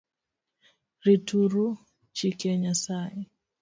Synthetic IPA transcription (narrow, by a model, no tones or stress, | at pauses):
ɾituɾu | t͡ʃikɛɲasai